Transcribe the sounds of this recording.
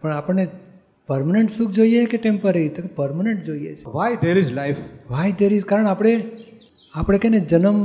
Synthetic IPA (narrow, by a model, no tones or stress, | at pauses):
pəɳapəɳne | pəɾmaneɳʈsũkd͡ʒoijekeʈẽmpəɾeit̪okepəɾmaneɳʈd͡ʒoiḛt͡ʃʰe̥ʋajd̪eɾid͡ʒlajfʋajd̪eɾid͡ʒkaɾəɳapɽ̃e | apɽ̃ekened͡ʒənəm